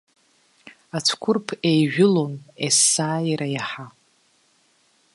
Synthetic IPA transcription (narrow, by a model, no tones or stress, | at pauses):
at͡sʷʰkʷʰʊrpʰejʒᶣʊlonesːaːiɾajaħa